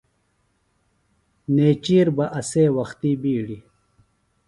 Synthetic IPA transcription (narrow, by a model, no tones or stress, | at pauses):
neːt͡ɕiːɾbɐʔɐseːwɐxt̪ibiːɽi